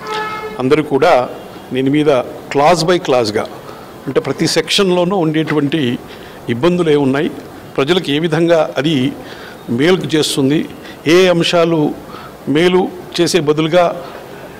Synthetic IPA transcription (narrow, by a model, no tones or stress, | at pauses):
ɐnd̪ɐɾikuːɽaː | neːnumiːd̪ɐklaːs̬bɐjklaːs̬ɡa̰ː | ɐɳʈe̞ːpɾɐt̪isekʂɐnlo̞ːnuːuɳɖe̞ːʈuʋɐɳʈi | ibːɐnd̪ule̞ːunːaːji | pɾɐd͡ʒɐlɐkue̞ːʋid̪ʱɐŋɡaːʔɐd̪i | meːlkut͡ʃe̞ːst̪und̪i | eːɐmʂaːlu | me̞ːlut͡ʃe̞ːse̞ːbɐd̪uluɡaː